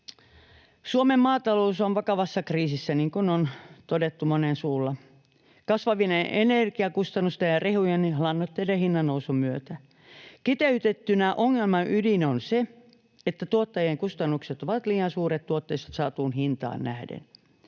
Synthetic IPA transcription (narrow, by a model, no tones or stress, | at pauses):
suomemmɑːt̪ɑlousonʋɑkɑʋɑsːɑkriːsisːæniŋkunont̪odet̪ːumonensuːlːɑ | kɑsʋɑʋinenʔenerkiɑkust̪ɑnːust̪ejjɑrehujenilɑnːot̪ːeidehinːɑnːousumyøt̪æ | kit̪eyt̪et̪ːynæʔoŋːelmɑʔydinonse | et̪ːæt̪uot̪ːɑjeŋkust̪ɑnːukset̪oʋɑt̪liːjɑnsuːɾet̪t̪uot̪ːeise̥t̪sɑːt̪uːnhint̪ɑ̰ːnnæhdḛn